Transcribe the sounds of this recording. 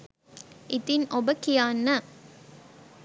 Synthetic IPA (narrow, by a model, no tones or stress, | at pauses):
ɪt̪ɪnɔbɐkːɪjaːnːɐ